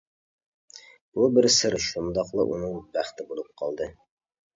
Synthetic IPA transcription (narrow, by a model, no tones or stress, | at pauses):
b̥ubɪɾsɪɾʃund̪ɑqlˠɨ̰ʔṵnɨŋbæχt̪ʰɪbolˠup̚qʰɑlˠd̪ɨ